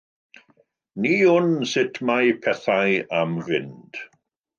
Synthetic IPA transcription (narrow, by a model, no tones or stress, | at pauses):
niːʊnsɪtʰmajpʰɛθajamvɪnd̥